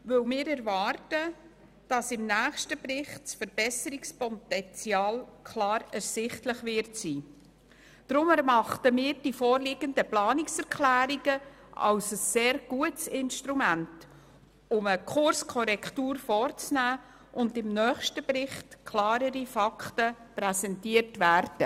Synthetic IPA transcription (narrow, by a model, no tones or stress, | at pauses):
vɵwmɪːɾɛɾvɑːrtə | d̥ɑsɪmnæːχʃtəbrɪχtsfəɾb̥ɛsəɾikspɔtɛnt͡siɑːlkʰlɑːɾɛɾsɪχtləχvɪɾtsiː | d̥ɾʊmɛɾmɑχtəmɪːɾd̥ifɔːɾlɪɡ̥əndəplɑːnɪksɛɾkʰlæːɾiɡ̥ə | ɑ̰wsəsːeːɾɡ̥uətsɪnʃtɾumænt | ʊməkʰʊɾskʰɔɾɛkʰtuːɾfɔːrt͡snæː | ʔʊndɪmnœːχʃtəbɾɪχtkʰlɑːɾəɾifɑktəpɾɛsɛntiəɾtvæːɾd̥ə